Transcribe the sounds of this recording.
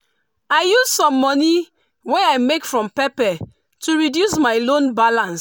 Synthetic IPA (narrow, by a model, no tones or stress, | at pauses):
aɪjuzsɔ̃mːɔni | weaɪmekfɹɔ̃mpɛpɛ | tʰuɹidjusmaɪlõnbalãns